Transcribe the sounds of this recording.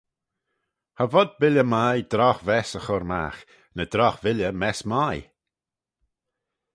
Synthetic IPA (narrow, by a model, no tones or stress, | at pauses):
havɔd̪̚bɪljəmajd̪ɾɔxvɛsəxɔɾma̰x | nəd̪̥ɾɔxvɪlʲəmɛsmaj